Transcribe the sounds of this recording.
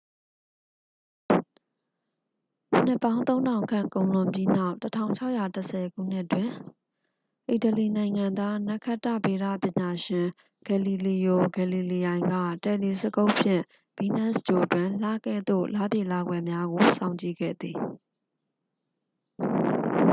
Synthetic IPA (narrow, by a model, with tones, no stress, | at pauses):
n̥ɪ˦˨pːã˦ʊ̃nt̪õ˦ʊ̃ndã˨ʊ̃ŋkʰã̰˦˨ŋkõ˨ʊ̃lʊ̃˨mpji˦n̥a˦ʊʔtətʰã˦˨ʊ̃ɲt͡ɕʰa˦ʊʔja˨təsʰɛ˨ɡṵ˦˨n̥ɪ˦ʔtwɪ̃˨ | ʔi˨tə˨li˨nã˨ɪ̃ŋã˨nd̪a˦na˦kʰa˦˨tːä̰˦˨be˨ɾä̰˦˨pjɪ̃˨ɲa˨ʃɪ̃˨ | ɡ̥ɛ˨li˨li˨jo˨ɡɛ˨li˨li˨jã˨ɪ̃ŋɡä̰˦˨tɛ˨li˨sə˨ɡo˦ʊʔpʰjɪ̰̃˦˨ | b̥i˦˨nɛ˦˨st͡ɕo˨twɪ̃˨la˦˨ɡɛ̰˦˨d̪o̰˦˨la˦˨bje˦˨la˨ɡwɛ˨mja˦ɡo˨sã˨ʊ̃ɲt͡ɕḭ˦˨ɡɛ̰˦˨d̪ði˨